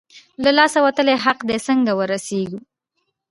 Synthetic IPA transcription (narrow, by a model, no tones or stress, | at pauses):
lalɑsawat̪əleɦaqd̪esəŋɡawəɾaseɡu